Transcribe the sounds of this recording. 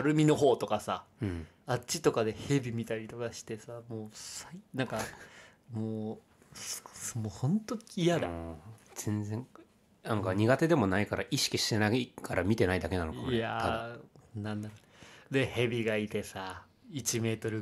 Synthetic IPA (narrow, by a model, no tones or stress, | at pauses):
aɾɯ̟mʲino̞ɦo̞ːt̪o̞kasa | at͡ɕit̪o̞kad̪e̞he̞bʲimʲit̪aɾʲit̪o̞kaɕi̥t̪e̞samoːsainãŋka | moː | smohõ̞nt̪oijad̪z̥ẽ̞nd͡zẽ̞ŋ | nãŋkaɲ̟iɡat̪e̞d̪e̞mo̞naikaɾaʔiɕi̥kʲiɕi̥t̪enakaɾamʲit̪e̞naid̪ake̞nanokaa | nãnːaɾo | d̪e̞he̞bʲiɡait̪e̞sa | it͡ɕime̞ːt̪o̞ɾɯ̟